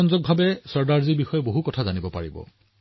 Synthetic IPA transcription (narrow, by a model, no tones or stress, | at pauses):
ɔnzɔk̚bʱabɛsɔɹdaɹziɹbixɔjɛboɦukɔtʰazanibɔpa̰ɹibɔ̰